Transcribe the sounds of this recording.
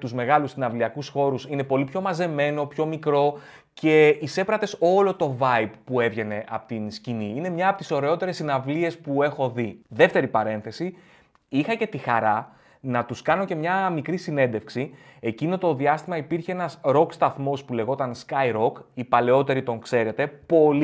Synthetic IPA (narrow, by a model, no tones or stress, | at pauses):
t̪uzme̞ɣɐlusinɐvliɐkusxo̞ɾusine̞po̞lipço̞mɐze̞me̞no̞pço̞mikɾo̞ | ce̞ise̞pɾɐt̪e̞so̞lo̞t̪o̞vɐipːue̞vʝe̞ne̞ʔɐ̰pot̪insciniine̞mɲɐːpo̞t̪iso̞ɾe̞o̞t̪e̞ɾe̞sinɐvlie̞spue̞xo̞ðiðe̞ft̪e̞ɾipɐɾe̞nθe̞si | ixɐce̞t̪ixɐɾɐ | nɐt̪uskɐno̞ce̞mɲɐmikɾisine̞nd̪e̞fksie̞cino̞t̪o̞ðiɐst̪imɐipiɾçeenɐsɾo̞kst̪ɐθmo̞spule̞ɣo̞t̪ɐnskɐjɾo̞kipɐle̞o̞t̪e̞ɾit̪o̞ŋkse̞ɾe̞t̪e̞po̞l